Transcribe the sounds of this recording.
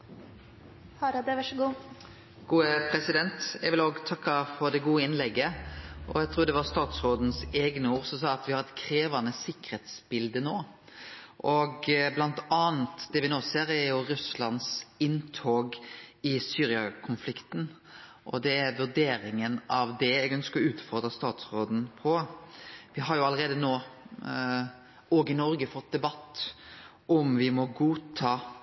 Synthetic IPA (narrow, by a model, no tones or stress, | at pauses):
hɑɾɑd̪əʋɑʂəɡuː | ɡ̥uːəpʰɾɛsɪd̪ɛnt̪ɛɡʋɪloːɡt̪ʰɑkːɑfɔɾd̪ɛɡuːəɪnlɛɡːəʔɔ̰æɡt̪ʰɾuːɾd̪ɛʋɑst̪ɑːt̪sʁoːd̪n̩seːɡnəuːɾsɔmsɑːɑt̪ʋɪhɑɾɛt̪kʰɾeːʋɑnəsɪkːəɾheːt̪sbɪld̪ənoː | ʔɔɡblɑnt̪ɑːnt̪d̪ɛʋɪnoːseːɾæɾjʊɾʉslɑnsɪnt̪ʰoːɡɪsyːɾɪɑkʰʊnflɪkt̪n | ʔɔd̪ɛæɾʋʉɾd̪eːɾɪŋənɑʋd̪ɛɛɡœnskəɾɔʉːt̪fɔʁd̪ɾəst̪ɑːt̪sʁoːd̪n̩pʰɔ | ʋɪɦɑɾjʊɑləɾeːd̪ənoː | ɔɡɪnɔɾɡəfɔt̪̚d̪ɛbɑt̪ː | ɔmʋɪmɔɡuːt̪ʰɑː